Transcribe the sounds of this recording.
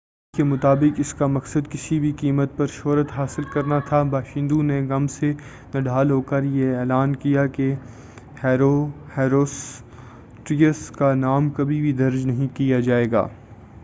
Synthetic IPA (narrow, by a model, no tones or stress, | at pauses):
kemʊt̪aːbɪkɪskamɐksəd̪kɪsibʱikiːmət̪̚pɐɾʃoːɾət̪ɦaːsɪlkɐɾnat̪ʰabaːʃɪ̃ːnd̪ũneɡɐmse | nɐɖʱaːlɦoːkəɾjeɛːlaːnkijake | hɛːɾo | hɛːɾoːs | ʈɾiəskanaːmkɐbʱibʱid̪ɐɾd͡ʒnɐɦĩkijad͡ʒaːeːɡa̰ː